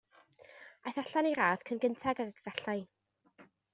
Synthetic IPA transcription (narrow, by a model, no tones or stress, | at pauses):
ajθaɬaniɾaːð̥kʰənɡəntʰaɡaəɡəɡ̥aɬaj